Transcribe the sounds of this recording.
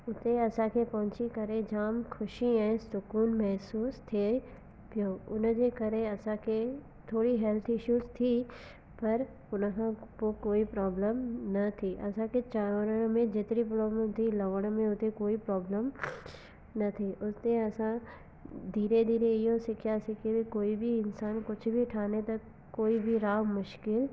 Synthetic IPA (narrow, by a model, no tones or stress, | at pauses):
ʊt̪eɐsãkʰepɐɦʊ̃t͡ʃikɐɾed͡ʒaːmkʰʊʃiɛ̃ːsʊkuːnmɛɦsuːst̪ʰe | pijoːʊnd͡ʑeːkɐɾeɐsãkʰe | t̪ʰoːɽiɦɛlt̪ʰɪʃuːst̪ʰi | pɐɾ | ʊnəkʰãpokoːipɾɔːbləmnɐt̪ʰiʔɐsãket͡ʃaːɾoɾəɽ̃mẽd͡ʒɪt̪nip̬ɾɔːbləmt̪ʰilɐʋəɽ̃mẽɦot̪ekoːipɾɔːbləm | nɐt̪ʰiʔʊst̪eɐsã | d̪iːɾed̪ʱiːɾeɪjõsɪkʰjasikebʱikoːibʱiɪnsaːnkʊt͡ʃʰbʱiʈʰaːnet̪ɐkː | oːibʱiɾaːɦmʊʃkɪl